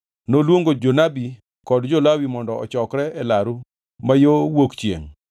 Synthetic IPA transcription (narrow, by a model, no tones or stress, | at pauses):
nolwoŋɡod͡ʒonabi | kɔdd͡ʒɔlawimɔndɔɔ̰t͡ʃɔkɾɛɛlaɾu | majowokt͡ʃjḛŋ